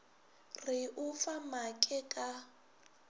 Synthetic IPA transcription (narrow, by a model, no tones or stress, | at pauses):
riʊfamakʼɛkʼa